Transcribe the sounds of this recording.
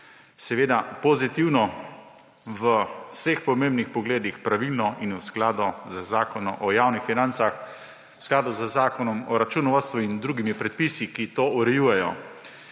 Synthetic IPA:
sɛʋeːd̪apɔzit̪iwnɔ | ʋəwsexpɔmẽmbnixpɔɡleːd̪ixpɾaʋilnɔinwsklaːd̪ɔzəzaːkɔnɔʔɔjaːwnixfinant̪sax | wsklaːd̪ɔzəzaːkɔnɔmɔɾat͡ʃunɔʋast̪ʋuind̪ɾuːɡimipɾɛt̪̚pisikit̪oːuɾɛjuːjɛjɔ̰

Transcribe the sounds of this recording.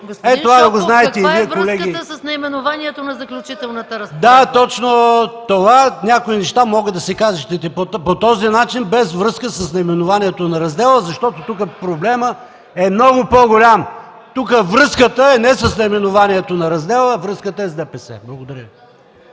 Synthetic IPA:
ɡosɛt̪ovaɐɡoznaɛt̪ɛiviɛkolɛɡiəsɐsnɐimɛnʊvaniɛt̪onɐzɐklʲut͡ʃit̪ɛlˠnɐt̪əɾɐzd̪at̪ɔt͡ʃnot̪ovanʲakoinɛʃt̪amɔɡəd̪ɐsɛkaziʃt̪ɛt̪ɛpopot̪ɔzinat͡ʃinbɛzvɾɤskəsəsnɐimɛnʊvaniɛt̪onɐɾɐzd̪ɛlˠəzɐʃt̪ɔt̪ot̪ukəpɾoblɛmə | ɛmnɔɡʊpoɡolʲam | t̪ukəvɾɤskət̪əɛnɛsɐsnɐimɛnovaniɛt̪onɐɾɐzd̪ɛlˠəvɾɤskət̪əɛzd̪ɛpɛsɛ̰blˠɐɡʊd̪ɐɾʲəi

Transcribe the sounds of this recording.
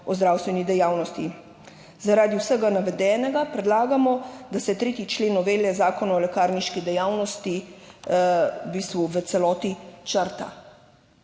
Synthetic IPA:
ɔzd̪ɾawst̪ʋɛnid̪ɛjaːwnɔst̪i | zaɾaːd̪iwsɛɡanaʋɛd̪ɛːnɛɡapɾɛd̪laːɡamɔd̪asɛt̪ɾeːt̪it͡ʃleːnɔʋeːljɛzaːkɔnaɔlɛkaːɾniʃkid̪ɛjawnɔst̪i | ubiːst̪ʋuʋət̪sɛlɔːt̪it͡ʃəɾt̪a̰

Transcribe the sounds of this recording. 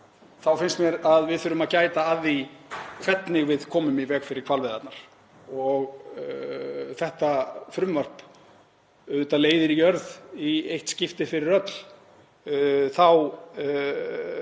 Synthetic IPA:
θawfɪnst̪mjɛɾaðvɪðfʏːɾʏmaðcaːjt̪aaðikʰv̥ɛt̪nɪɣvɪðkʰɔːmʏmivɛːkfɪɾɪ̥ɾkʰalvɪðat̪naɾ̥ | ɔɣ | θɛht̪afɾʏmvar̥p | ʏt̪aleːjðɪɾijœɾðiejht̪scɪft̪ɪfɪɾɪɾœt̪l̥ | θaw

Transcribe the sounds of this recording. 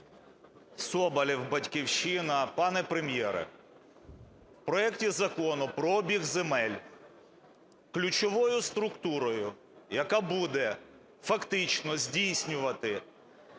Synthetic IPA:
sɔbɐlʲiwbɐtʲkʲiwʃɪnɐpɑnɛpɾemjɛɾɛ̰ | wpɾɔɛktʲizɐkɔnʊpɾɔɔbʲiɣzemɛlʲ | klʲʊt͡ʃɔʋɔjʊst̪ɾʊkt̪uɾɔjʊ | jɐkabud̪ɛ | fɐkt̪ɪt͡ʃnɔzʲdʲijsʲnʲʊʋɐt̪ɪ

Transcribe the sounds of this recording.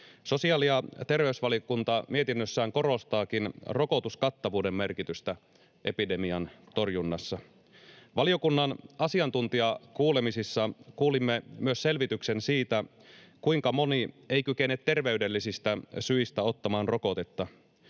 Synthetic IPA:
so̞siɑliɑt̪e̞rʋe̞ysʋɑliokunt̪ɑmiet̪inːøsːæːŋko̞ɾo̞st̪ɑːkinro̞kot̪uskɑt̪ːɑʋuːde̞mːme̞rkit̪yst̪æ | ʔe̞pide̞miɑnt̪o̞rjunːɑsːɑ | ʋɑlio̞kunːɑnɑsiɑnt̪unt̪iɑkuːle̞misisːɑkuːlimːemyøsse̞lʋit̪ykse̞nsiːt̪æ | kujŋkɑmo̞niejkyke̞net̪te̞rʋe̞yde̞lːisist̪æsyist̪æo̞t̪ːɑmɑːnro̞ko̞t̪e̞t̪ːɑ

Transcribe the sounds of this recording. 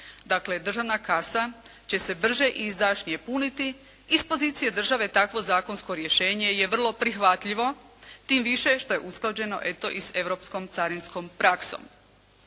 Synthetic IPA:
d̪akle̞d̪r̩ʒaʋnakasat͡ɕe̞se̞br̩ʒe̞ʔiːzd̪aʃɲije̞punit̪i | ispo̞ziːt̪sije̞d̪r̩ʒaʋe̞t̪akʋo̞zaːko̞nsko̞ɾje̞ʃe̞ːɲe̞je̞ʋr̩lˠo̞pɾixʋat̪ʎiʋo̞t̪iːmʋiʃe̞ʃt̪o̞je̞ʔusklˠad͡ʑe̞no̞̰ʔe̞t̪o̞ʔise̞ʋɾo̞psko̞mt̪saɾinsko̞mpɾʔakso̰m

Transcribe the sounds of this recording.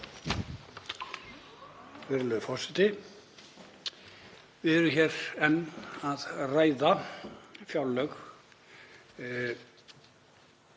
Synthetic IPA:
vɛɾlœðʏfɔrsɪt̪ɪ | vɪðɛɾʏçɛɾɛnːaðraːjða | fjawlːœx

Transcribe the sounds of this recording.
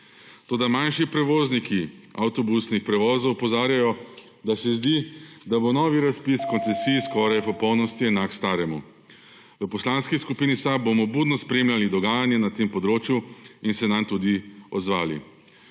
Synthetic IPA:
t̪oːd̪amanʃipɾɛʋoːznikiawt̪ɔbusnixpɾɛʋɔːzɔwpɔzaːɾjajɔ | d̪asɛzd̪id̪abonɔːʋiɾaspiskɔnt̪sɛsiːjskɔɾajpɔpɔwnɔst̪iɛnakst̪aːɾɛmu | ʋəpɔslaːnskiskupiːnisabːomɔbuːd̪nɔspɾeːmlʲalid̪ɔɡaːjanjɛnat̪empɔd̪ɾoːt͡ʃjuinsɛnamt̪ud̪iɔ̰d̪zʋaːlḭ

